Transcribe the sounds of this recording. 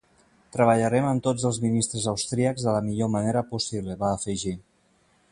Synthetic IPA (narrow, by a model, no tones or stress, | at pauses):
t̪ɾəβəʎəɾɛməmt̪od͡zəlˠzminist̪ɾəzəwst̪ɾiəɡzðələmiʎoməneɾəpusiβləβaːfəʒi